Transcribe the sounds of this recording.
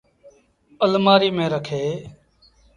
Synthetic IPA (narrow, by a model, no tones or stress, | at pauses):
əlmaːɾiːmẽːɾəkʰeː